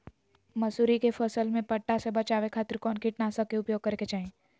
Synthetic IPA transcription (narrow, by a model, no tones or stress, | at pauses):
mɐsuːɾikepʰəsəlmẽpɐʈːasebɐt͡ʃaːʋekʰaːt̪ɪɾkɔːnkɪʈnaːsəkeʊpjoːɡ̚kɐɾeket͡ʃaːẽː